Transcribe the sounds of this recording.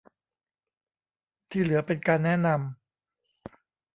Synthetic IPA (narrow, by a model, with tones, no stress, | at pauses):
t̪ʰiː˥˩lɯ˩˦ɐpe˧nkaː˧nːɛ˦˥na˧m